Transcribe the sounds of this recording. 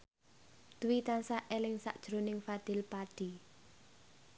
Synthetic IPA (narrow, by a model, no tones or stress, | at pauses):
d̪̥uwit̪ansaʔelɪŋsa̰ʔd̥ʒ̥ɾonɪŋfad̪̥ɪ̤lpaɖ̥i